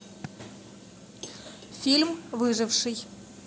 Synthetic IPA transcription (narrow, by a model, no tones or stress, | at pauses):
fʲilʲmvɨʐɨfʂɨj